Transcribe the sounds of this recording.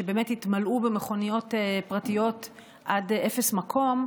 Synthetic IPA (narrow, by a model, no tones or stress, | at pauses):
ʃebeːmethitmalʔubemeχo̞nijo̞tepʁatijo̞t | ʔadefesmakʰo̞m